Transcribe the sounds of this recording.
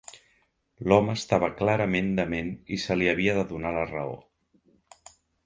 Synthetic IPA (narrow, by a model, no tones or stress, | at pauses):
lɔməːst̪aβ̞əklaɾəmend̪əmenisəliəβiəðəðunalərə̰o̰